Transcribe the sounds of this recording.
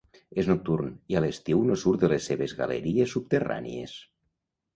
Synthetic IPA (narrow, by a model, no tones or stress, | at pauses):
eznok̚t̪urnialest̪iwnosuɾðelesːeβezɣa̰lḛɾiesːup̚t̪era̰nḭḛs